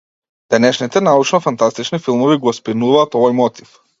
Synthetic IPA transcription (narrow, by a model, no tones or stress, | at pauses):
d̪̥ɛnɛʃnit̪ɛnaut͡ʃnɔfant̪ast̪it͡ʃnifilˠmɔviɡɔɔspinuvaːt̪ɔvɔjmɔt̪i̥f